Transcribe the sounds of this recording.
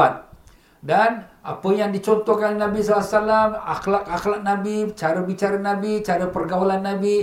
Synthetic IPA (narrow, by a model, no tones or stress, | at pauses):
at̪̚ | danʔapəjaŋdit͡ʃɔnt̪ɔhkanolenãbisalasalama̰xlak̚axlak̚nabit͡ʃaɾəbit͡ʃaɾanãbit͡ʃaɾəpərɡawalanːabi